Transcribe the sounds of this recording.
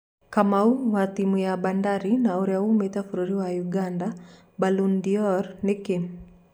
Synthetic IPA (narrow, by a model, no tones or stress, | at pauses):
kamauwat̪imujabandaɾinauɾjahumɛtafuɾuɾiwajuɡanda | balundiɔɾnikim